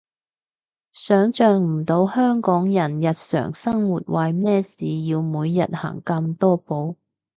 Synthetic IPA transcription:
sœː˨˥ŋt͡ʃœː˨ŋm̩˨˩t̪o˨˧˥whœː˥ŋkɔː˨˥ŋjɐ˨˩njɐ˨t̚sœ̰ː˨˩ŋsɐ˥ŋwuː˨˩t̚wɐ˨jmɛː˥siː˨jiː˧wmuː˨˧jːɐ˨t̚ha̰ː˨˩ŋkɐ˧mt̪ɔː˥po˨˧w

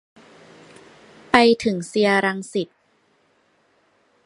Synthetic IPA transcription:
pa˧jt̪ʰɯ˩˦ŋsi˧ɐɾa˧ŋsi˨˩t̪̚

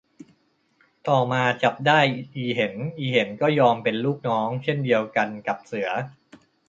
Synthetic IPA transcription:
t̪ɔː˨˩maː˧t͡ɕa˨˩p̚daː˥˩jʔiː˨˩ɦe˩˦nʔiː˨˩he˩˦nkɔː˥˩jɔː˧mpe˧nluː˥˩k̚nɔː˦˥ŋt͡ɕʰe˥˩ndi˧əwka˧nka˨˩p̚sɯ˩˦ɐ

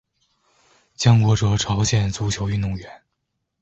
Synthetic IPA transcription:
t͡ɕjɑ˥ŋkwɔ˧˥˩ʈ͡ʂɤ˧˩ʈ͡ʂʰɑ˧˥ʊɕjɛ˨˩nt͡su˧˥t͡ɕʰjo˧˥ʊy˥˧nd̪ʊ˥˩ŋɥɛ˧˥n

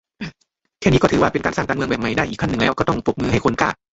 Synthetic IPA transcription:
kʰɛː˥˩niː˦˥kɔ˥˩ɯː˨˦waː˧˩pe˧nkaː˧nsaː˥˩ŋkaː˧nm˧əŋbɛː˨˩ma˧˩jdaː˥˩jʔiː˨˩kʰːa˥˩nɯ˨˩ŋlɛː˦wkɔː˥˩t̪ɔ˥˩ŋpʰo˨˩p̚mɯː˧ha˥˩jkʰo˧nka̰ː˧˩

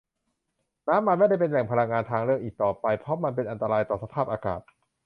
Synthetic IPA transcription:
naː˦˥mːa˧nma˥˩jda˥˩jp̬e˧nlɛ˨˩ŋpʰa˧ɾa˧ŋːaː˧nt̪ʰaː˧ŋɾɯ˥˩əŋ̚ʔiː˨˩k̚t̪ɔː˨˩pa˧jpʰɔ˦˥ma˧np̬e˧nʔa˧nt̪a˧ɾaː˧jt̪ɔː˨˩sa˧pʰaː˥˩p̚ʔaː˧ka̰ː˨˩t̪̚

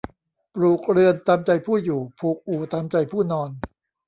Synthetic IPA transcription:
pɾuː˨˩k̚ɾɯ˧ənt̪aː˧mt͡ɕa˧jpʰuː˥˩juː˨˩pʰuː˨˩k̚ʔuː˨˩t̪aː˧mt͡ɕa˧jpʰuː˥˩nɔː˧n

